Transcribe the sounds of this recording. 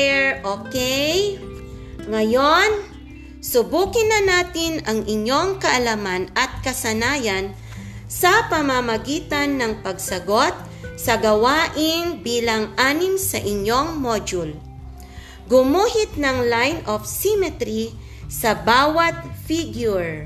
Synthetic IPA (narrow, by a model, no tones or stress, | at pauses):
ɛɹʔokɛj | ŋɐjon | sʊbuːkɪnɐnaːt̪ɪnɐŋʔɪɲːo̞ŋkɐʔɐlamanɐt̪̚kɐsɐnaːjɐn | sɐpɐmɐmɐɡiːt̪ɐnːɐŋpɐɡsɐɡo̞t̪̚ | sɐɡɐwaːʔɪŋbiːlɐŋʔaːnɪmsɐʔɪɲo̞ŋmod͡ʒʊl | ɡʊmuːhɪt̪̚nɐŋlajnʔofsimɛt̪ɾi | sɐbaːwɐt̪̚fiɡjʊɹ